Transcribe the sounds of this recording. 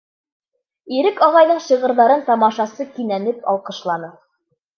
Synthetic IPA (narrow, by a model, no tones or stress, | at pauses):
iɾɘkɑʁɑjðɤɴɕɤʁɤ̆ɾðɑɾɤnt̪ɑmɑʃɑsɤkinænɘpɑ̰lˠqɤ̆ʃlˠɑnɤ